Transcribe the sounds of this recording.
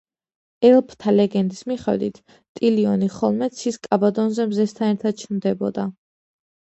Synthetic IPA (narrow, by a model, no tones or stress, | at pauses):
ɛlˠpʰt̪ʰalɛɡɛnd̪ismiχɛ̰d̪it̪ʰ | t̪ʼiliɔniχɔlˠmɛt̪sʰiskʼabad̪ɔnzɛmzɛst̪ʰanɛɾt̪ʰad̪̥̚t͡ʃʰnd̪ɛbɔ̰d̪a